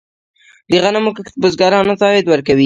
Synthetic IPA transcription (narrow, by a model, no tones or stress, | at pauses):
liɣɑnamokəkt̪bʊzɡɑɾɑnat̪ɑhɪd̪wəɾkawi